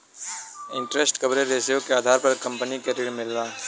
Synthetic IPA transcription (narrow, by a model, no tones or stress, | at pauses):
ɪ̃ɳʈɾesʈkɐbɾeɾeːsjõkeaːd̪ʱaːɾpɐɾkɐ̃mpənikeɾɪɽmɪlːaː